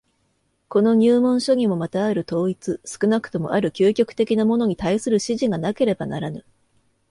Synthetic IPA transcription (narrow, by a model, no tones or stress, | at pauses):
ko̞no̞ɲ̟ʲɨːmõ̞ɰ̃ɕo̞ɲ̟ʲimo̞mat̪aːɾɯ̟t̪o̞ːit͡sɨsɨ̥kɯ̟nakɯ̟̥t̪o̞mo̞̰ʔaɾɯ̟kʲɨːkʲo̞kɯ̥t̪e̞kʲinamo̞no̞ɲ̟it̪aisɨɾɯ̟ɕiʑiɡanake̞ɾe̞banaɾanɯ